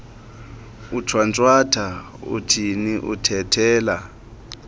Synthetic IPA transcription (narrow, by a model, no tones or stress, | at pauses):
ut͡ʃʰwant͡sʼwatʰa | ṵtʰiniʔṵtʰɛtʰɛːla